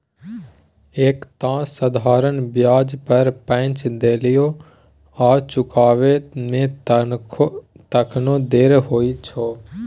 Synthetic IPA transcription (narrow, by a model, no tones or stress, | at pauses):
eːkt̪ãːsəd̪ʱaːɾənbjaːd͡ʒpəɾpə̃t͡ʃd̪eːlɪjo | aːt͡ʃʊkaːʋemẽ | t̪əkʰnõːd̪eːɾɦoːit͡ʃʰoː